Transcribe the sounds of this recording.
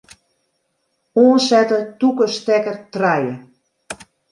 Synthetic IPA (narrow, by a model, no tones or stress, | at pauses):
oːnsɛtəntːukəstɛkərtrajə